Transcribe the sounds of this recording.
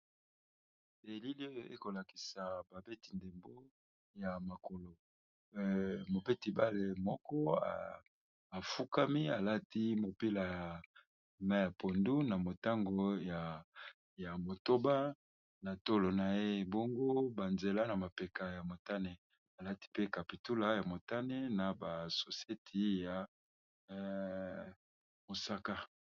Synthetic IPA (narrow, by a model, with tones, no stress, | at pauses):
e˨li˦li˦o˦je˦ko˨la˨ki̥˨sa˨ba˨be˦ti˨nde˨mbo˦ | ja˨ma˨ko˨lo˨ | mo˨be˦ti˨ba˦le˨mɔ˦kɔ˦a̰ː˨ | fu˦ka˦mi˦a˨la˦ti˦mo˨pi˦la˨a˨ | ma˦ja˨pʰo˨ndu˦na˨mo˨ta˦ŋɡo˨ja˨ | ja˨mo˨to˦ba˦ | na˨to˦lo˨na˨je˦bo˦ŋɡo˦ba˨nze˨la˦na˨ma˨pe˨ka˨ja˨mo˨ta˦ne˨ | a˨la˦ti̥˦pe˦ka˨pi˨tu˦la˨ja˨mo˨ta˦ne˦na˨ba˨so˨se˦tʰi˨˦ja˨˦ | mo˨sa˦ka˦